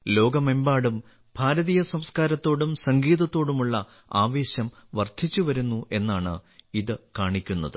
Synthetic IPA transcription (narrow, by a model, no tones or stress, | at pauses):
lo̞ːɡɐmembaːɽum | bʱaːɾɐðijɐsɐmskaːɾɐt̪ːo̞ːɽumsɐŋɡiːðɐt̪ːo̞ːɽumuɭːɐ | aːʋe̞ːɕɐmʋɐrd̪ʱit͡ɕːuʋɐɾunːuʔe̞nːaːɳɨ̰iðɨkaːɳikʲːunːɐðɨ